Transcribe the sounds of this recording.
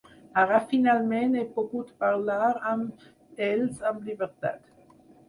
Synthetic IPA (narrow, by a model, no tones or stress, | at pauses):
aʁafinalmenepoput̪paʁlaʁam | ɛlsamlibeʁt̪a̰t̪